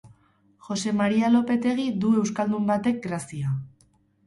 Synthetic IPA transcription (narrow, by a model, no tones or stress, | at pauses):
ʝo̞se̞maɾialo̞pe̞t̪e̞ɣ̞id̪ue̞wskald̪umbat̪e̞k̚ɡɾasia